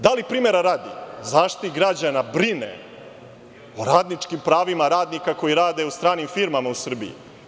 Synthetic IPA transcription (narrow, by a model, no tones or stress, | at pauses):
d̪alipɾiːmeɾaɾaːd̪ḭzaːʃt̪iniɡɾad͡ʑanabɾinḛ | oɾaːd̪nit͡ʂkimpɾaːʋimaɾaːd̪nikako̞jiɾaːd̪e̞ust̪ɾaːnimfiɾmamausr̩bḭjḭ